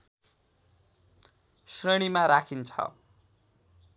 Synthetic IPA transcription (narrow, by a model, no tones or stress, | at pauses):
sreɽ̃imaɾakʰint͡sʰʌ̰